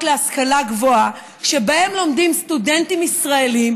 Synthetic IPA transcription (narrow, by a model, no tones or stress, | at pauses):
tleaskalaɡvoa | ʃe̞bae̞mlo̞mdimst̪ude̞ntimisʁae̞lim